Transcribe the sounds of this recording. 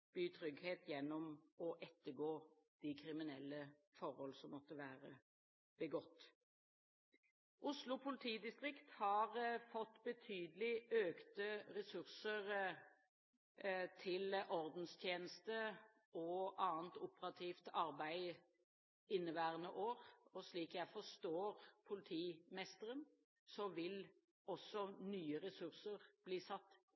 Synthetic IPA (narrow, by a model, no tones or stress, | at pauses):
b̥yːt̪ʰʁʏɡheːt̪jɛnːɔmɔʔɛt̪ːəɡoːd̪̥ɪkʰʁɪmɪnɛlːəfɔɾhɔlsɔmːɔt̪ːəʋæːʁə | b̥əɡɔt̪ː | ʔʊslʊpʰʊlɪt̪ʰiːd̪ɪst̪ʁɪkt̪hɑʁfɔt̪ːbət̪ʰyːd̪əlɪøːkt̪əʁɛsʉʁsəʁ | t̪ʰɪlʔɔɾd̪n̩st̪ʰjeːnəst̪ə | ɔʔɑːənt̪ʊpəʁɑt̪ʰiːft̪ɑʁbæɪ | ɪnːəbæːʁənəʔoːɾɔsɭiːkjæɪfɔst̪oːʁpʰʊlɪt̪ʰiːmɛst̪əʁən | sɔʋɪl | ɔsɔnyːəʁɛsʉʁsəʁb̥liːsɑt̪ː